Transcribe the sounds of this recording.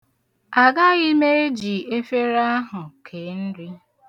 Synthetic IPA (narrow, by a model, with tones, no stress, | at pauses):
a˨ɡa˦ɣɪ˦me˦e˦d͡ʒi˨e˦fe˦ɾa˦ɦʊ˨kʰe˨˦n̩˦di˦